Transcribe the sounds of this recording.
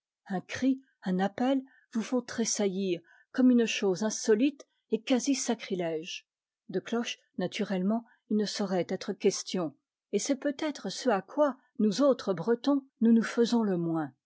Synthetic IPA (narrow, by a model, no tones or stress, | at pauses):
ɛ̃kχi | ɛ̃napɛl | vufɔ̃t̪χesajiʁ | kɔmynʃozɛ̃sɔlit̪ | ekazisakχilɛʒ | d̪əklɔʃ | nat̪ʰyʁɛlmɑ̃ | ilnəsɔʁɛt̪ɛt̪χəkʲɛst̪jɔ̃ | esɛpøt̪ɛt̪χəsəakwa | nuzot̪χəbʁət̪ɔ̃nunufəzɔ̃ləmwɛ̃